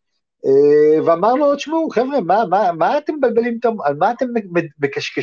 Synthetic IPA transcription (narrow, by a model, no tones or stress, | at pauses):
eveamaʁnuod̪ʃmoχevʁemamamaːt̪emebalbe̞limt̪omalmaːt̪emeːekaʃke